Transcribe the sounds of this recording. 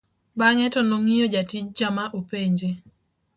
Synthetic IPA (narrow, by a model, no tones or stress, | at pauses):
baŋɛtɔnoŋijod͡ʒatid͡ʒd͡ʒamaʔopeɲd͡ʒe